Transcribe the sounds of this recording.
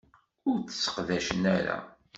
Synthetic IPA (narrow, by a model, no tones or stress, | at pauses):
ʊɾt͡sːə̥sːə̥qðæʃənæɾæ̰